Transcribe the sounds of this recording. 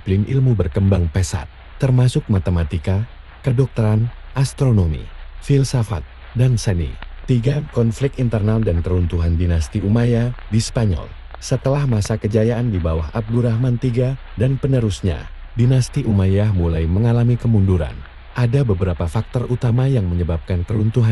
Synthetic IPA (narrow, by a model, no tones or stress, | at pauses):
plɪnʔḭlmubərkəmbaŋpɛsa̰t̪̚ːərmasʊk̚mat̪əmat̪ika | kədɔk̚t̪əɾanʔast̪ɾonomḭfilsafa̰t̪̚ | dansənḭt̪iɡakɔnflɪk̚t̪int̪ərnaldankəɾunt̪uɦandinast̪iʔumajadispaɲɔ̰l | sət̪əlahmasakəd͡ʒajaʔandibawaɦab̚duɾahmant̪iɡa | danpənəɾusɲa̰ | dinast̪iʔumajahmulajməŋalamikəmunduɾa̰n | ʔadabəbəɾapafak̚t̪ɔrʔut̪amajaŋməɲəbap̚kankəɾunt̪uɦa